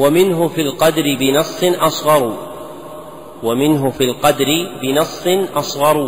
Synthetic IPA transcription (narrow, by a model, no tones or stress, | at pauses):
wamɪnɦʊfilqɑd̪ɾɪbɪnɑsˤːɨnʔɑsˤɣɑɾˤ | wamɪnɦʊfilqɑd̪ɾɪbɪnɑsˤːɪnʔɑsˤɣɑɾˤ